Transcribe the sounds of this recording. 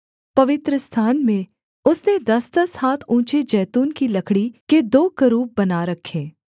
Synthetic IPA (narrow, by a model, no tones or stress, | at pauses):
pɐʋɪt̪ɾəst̪ʰaːnmẽ | ʊsned̪ɐst̪əshaːt̪ʰũːt͡ʃed͡ʒɛːt̪uːnkilɐkʰɽiked̪oːkəɾuːb̚bɐnaɾɐkʰːeː